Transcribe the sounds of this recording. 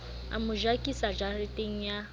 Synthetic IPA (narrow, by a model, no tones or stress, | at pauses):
a̰mʊʒakʼisad͡ʒarɪtʼeŋ̩ja